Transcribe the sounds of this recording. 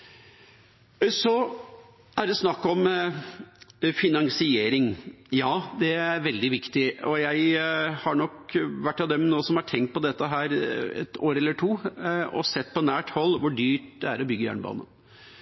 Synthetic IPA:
sɔ | æɖɛsnɑkːɔm | fɪnɑŋsɪeːɾɪŋjɑːd̪ɛæɾʋɛld̪ɪʋɪkt̪ɪɔjæɪhɑɳɔkʋæʈːɑd̪ɛmnoːsɔmhɑʈʰɛŋt̪̚pʰɔd̪ɛt̪ːəɦæːɾɛ̰t̪ʰoːɾɛlːəʈʰuːɔ̰sɛt̪ːpʰɔnæːʈhɔlːʋʊɖyːʈd̪ɛæɾɔbʏɡːəjæ̰ːɳəbɑ̰ːnə̰

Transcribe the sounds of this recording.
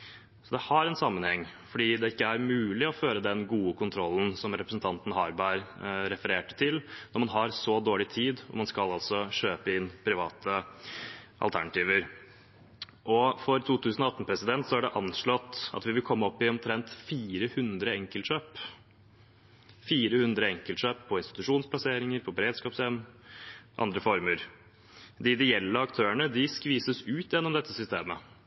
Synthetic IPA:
sɔd̪ɛhɑɾɛnsɑmːənhɛŋːfɔɖiːd̪ɛɪkːəæɾmʉːlɪɔføːɾəd̪ɛnɡuːəkʊnt̪ʰɾɔlːn̩sɔmɾɛpɾəsn̩t̪ʰɑnt̪ən̩hɑɾbæɪɾɾɛfəɾeːʈə̥t̪ʰɪlnɔɾmɑnɦɑɾsɔd̪oːɭɪt̪ʰiːd̪ɔ̰mɑnskɑlɑlsɔɕøːpəɪnːpʰɾɪʋɑːt̪ʰə | ʔɑ̰lt̪ʰæ̰ɳɑt̪iːʋəɾ | ʔɔfɔɾt̪ʰuːt̪ʰʉːsənɔɑt̪ːn̩pʰɾɛsɪd̪ɛnt̪sɔæɖɛʔɑnʂɭɔt̪ːɑ̰t̪ʋɪʋɪlkʰɔmːəɔpːɪɔmt̪ʰɾɛnt̪fiːɾəhʉnd̪ɾəɛŋkəlʂøːp | fiːɾəhʉnd̪ɾəɛŋkəlt̪ʂøːpʰːɔɪnst̪ɪ̥t̪ʉʂuːnspʰlɑseːɾɪŋəɾpʰɔbəɾeːd̪skɑːpsɛm | ʔɑ̰nd̪ɾəfɔɾməɾ | d̪ɪd̪ɪjɛlːəɾɑkt̪ʰøːəɳəd̪ɪskʋiːsəsʉːt̪jɛnːɔmd̪ɛt̪ːəsʏst̪eːmə

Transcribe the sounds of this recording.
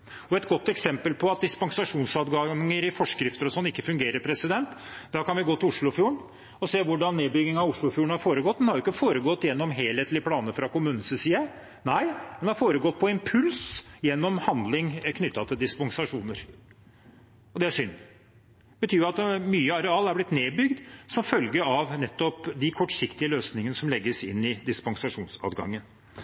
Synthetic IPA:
ɔɛt̪ɡɔt̪ːɛksɛmpəlpʰɔɑt̪̚d̪ɪspɑŋsɑʂuːnsɑːd̪ɡɑŋəɾɪfɔʂkɾɪft̪əɾɔsɔnːɪkːəfʉŋɡeːɾəɾpʰɾɛsɪd̪ɛnt̪d̪ɑkɑnʋɪɡoːt̪ɪʊʂɭʊfjuːəɳ | ɔseːʋʊɖɑnːeːbʏɡɪŋɑʋʊʂɭʊfjuːəɳhɑɾfoːɾəɡɔt̪̚ːd̪ɛnhɑɾjʊɪkːəfoːɾəɡɔt̪ːjɛnːɔmɦeːlheːt̪lɪpʰlɑːnəfɾɑkʊmʉːnn̩səsiːɑ | næɪd̪ɛnhɑɾfoːɾəɡɔt̪̚ːpʰɔɪmpʰʉlsjɛnːɔmhɑnd̪lɪŋkʰnʏt̪ːɑt̪ʰɪld̪ɪspɔŋsɑʂuːnəɾ | ɔd̪ɛæʂʏnː | bət̪ʰyːjʊɑt̪myːəɑɾɛɑːlæɾblɪt̪neːbʏɡd̪sɔmfœlɡəɾɑʋnɛt̪ːɔpd̪ɪkʰɔʈːʂɪkt̪ɪəløːsnɪŋənəsɔmlɛɡːəsɪnːɪd̪ɪspɔŋsɑʂuːnsɑ̰ːd̪ɡɑ̰ŋːən

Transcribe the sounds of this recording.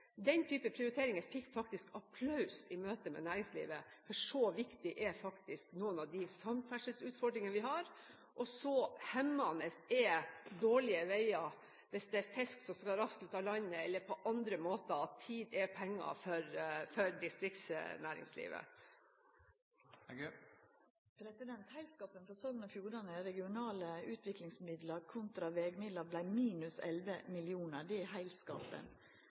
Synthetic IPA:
d̪ɛnt̪ʰyːpəpʰɾɪʊɾɪt̪ʰeːɾɪŋəfɪkːfɑk̚t̪ɪskɑpʰlɑʉsɪmøːt̪əmɛ̰næːɾɪŋslḭːʋəfɔʂɔʋɪkt̪ɪʔɛfɑkt̪ɪsknuːənɑʋd̪ɪsɑmfæʂəsʉːt̪fɔɖɾɪŋənəʋɪɦɑɾ | ʔɔsɔhɛmːɑnəsɛd̪oːɭɪəʋæɪɑ | ʋɛsd̪ɛæɾfɛsksɔmskɑlɾɑskʉːt̪ɑlɑɪnəɛlːəɾpʰɔʔɑnd̪ɾəmoːt̪əɑt̪ʰːiːd̪ɛpʰɛŋːɑ̰fɔɾfœɾd̪ɪst̪ɾɪkt̪snæːɾɪ̰ŋslḭːʋə̰ | pʰɾɛsɪd̪ɛnt̪hæɪlskɑːpənfɔsɔɡnɑfjuːɾɑnəɛɾɛɡɪʊnɑːləʉːt̪ʰʋɪklɪŋsmɪd̪ləɾkʰʊnt̪ɾɑʋɛɡmɪd̪ləɾblæɪmiːnʉsɛ̰lʋəmɪljuːnəɾd̪ɛɛhæɪlskɑ̰ːpə̰n

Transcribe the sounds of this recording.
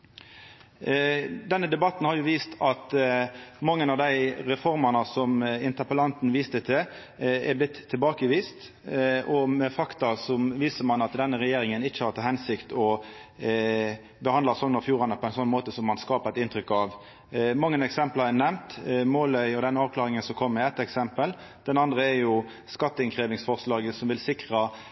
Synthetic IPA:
d̪ɛnːəd̪ɛbɑt̪n̩hɑɾjʊʋiːst̪ɑt̪ | mɑŋːənɑʋd̪æɪʁɛfɔɾmɑnəsɔmɪnt̪əpəlɑnt̪n̩ʋiːst̪ət̪ʰə | ɛɾblɪt̪ʰːɪlbɑːkəʋiːst̪ | ɔmɛfɑkt̪ɑsɔmʋiːsəmɑnɑt̪d̪ɛnːəʁɛjeːɾɪŋənɪçːəhɑɾt̪ʰɑhɛnsɪkt̪ʰɔ | bəhɑnd̪lɑsɔnːɔfjuːɾɑnəpʰɔɛnsɔnːmoːt̪əsɔmːɑnskɑːpɛt̪ɪnt̪ɾʏkːɑʋ | mɑŋːənɛksɛmpləɛnɛmt̪moːlœʏɔd̪ɛnːəɑːʋkʰlɑːʁɪŋənsɔkʰɔmːɛɛt̪ːɛksɛmpəl | d̪̥ɛnɑnd̪ʁəɛɾjʊ | skɑt̪ːəɪnkʰɾeːʋɪŋsfɔʁslɑːɡəsɔmʋɪlsɪkɾɑ

